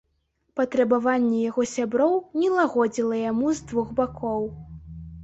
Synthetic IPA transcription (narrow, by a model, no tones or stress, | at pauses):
pɐt̪ɾɐbavanʲːɛjaɣɔsʲabɾɔwnʲɛlˠaɣɔd͡zʲilˠɐjamuzd̪vuɣbakʰɔw